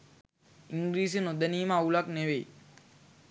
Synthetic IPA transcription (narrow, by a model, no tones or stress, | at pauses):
iŋɡɾiːs̬inod̪əniːməaulakneʋe